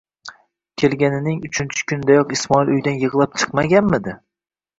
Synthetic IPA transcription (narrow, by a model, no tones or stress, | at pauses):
kʲʰe̞lɡʲanɪnɪŋʊt͡ʃʰɪnt͡ʃʰɪ̥kʲʰʊnd̪ajɒqɪsmɒilʊjd̪anjɨʁlˠap̚t͡ʃʰɨ̥qmaɡʲanmɪd̪ɪ